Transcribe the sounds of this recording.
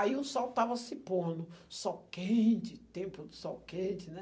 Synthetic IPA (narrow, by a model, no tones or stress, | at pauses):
aiʊsɔwt̪avɐsɪpõnʊsɔwkẽt͡ʃɪt̪ẽpʊd̪ʊsɔwkẽt͡ʃɪnɛ